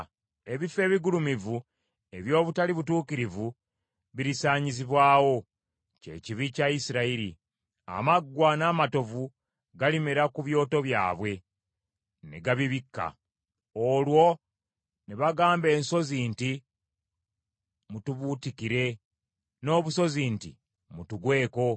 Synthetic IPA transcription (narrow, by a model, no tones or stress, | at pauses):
e̞βife̞ːβiɡulumivu | e̞βjo̞ːβutaliβutuːkiɾivu | βiɾisaːɲiziβwaːwo̞ | ce̞̰ciβicaisiɾaiɾḭ | a̰maɡːwanaːmato̞vu | ɡalimeɾakuβjo̞ːto̞βja̰ːβwe̞ | ne̞̰ɡaβiβikːa̰ | olwo̞ | neβaɡaːmbe̞ːnso̞ziːnti | mutuβuːtikiɾe̞ | no̞ːβuso̞ziːntḭ | mutuɡwe̞ːko̞